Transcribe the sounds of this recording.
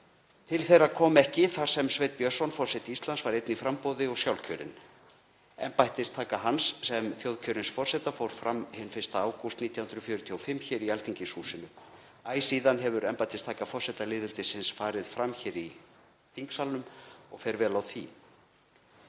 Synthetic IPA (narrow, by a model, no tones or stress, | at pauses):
t̪ʰɪlθejɾakʰɔːmɛhcɪθaɾ̥sɛmsveːjt̪̚pjœr̥sɔnfɔr̥sɛt̪ɪist̪lansvaɾejt̪nifɾampɔːðɪɔɣsjawlcʰœːɾɪ̰n | ɛ̰mpajht̪ɪst̪ʰaːkaɦanssɛmθjowðcʰœːɾɪnsfɔr̥sɛt̪afowɾ̥fɾamhɪnfɪst̪aaːwkust̪niːt̪jahʏnɾʏfjʏːɾʏt̪ʰiɔfɪmːçɛːɾialt̪ʰiɲcɪsuːsɪnʏ | aːjsiːðanɦɛvʏɾɛmpajt̪ɪst̪ʰaːkafɔ̥sɛt̪alɪːðɪlt̪ɪsɪnsfaːɾɪðfɾamçɛːɾi | θiŋksalnʏmɔ̰ɣfejɾvɛːlawθi